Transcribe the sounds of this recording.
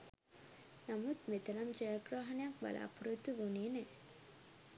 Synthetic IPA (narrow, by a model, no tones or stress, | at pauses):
namut̪met̪ɐɾɐmd͡ʒeːɡɾaːɦɐnejak̚bɐ̰la̰ːpuɾut̪ːuʋuniene